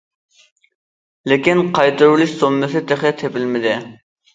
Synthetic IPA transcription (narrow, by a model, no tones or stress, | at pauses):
lɪkʲinqʰɑjt̪ɨɾulˠɪʃsomːɨsɪt̪ʰeχɪt̪ʰepɪlmɪd̪ɪ